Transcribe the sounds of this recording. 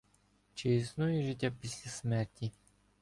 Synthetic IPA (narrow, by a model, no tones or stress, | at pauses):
t͡ʃeisnujɛʐɪtʲːapʲisʲlʲasmɛrtʲi